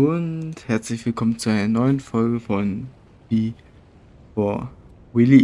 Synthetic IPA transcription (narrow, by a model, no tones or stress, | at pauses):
ʊnthɛɐt͡slɪçv̥ɪlkʰɔmənt͡suʔaɪnɐnɔʏənfɔlɡəfɔn | v̥iː | foɐ | wɪli